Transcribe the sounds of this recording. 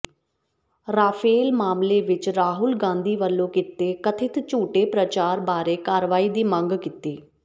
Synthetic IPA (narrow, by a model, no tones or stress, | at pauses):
ɾaːpʰeːlmaːmleːʋɪt͡ʃɾaːɦʊlɡãːnd̪iːʋəlːõːkɪt̪eːkət̪ʰɪt̪t͡ʃuːʈeːpɾət͡ʃaːɾbaːɾeːkaːɾʋaːiːd̪iːmə̃ŋɡkɪt̪eː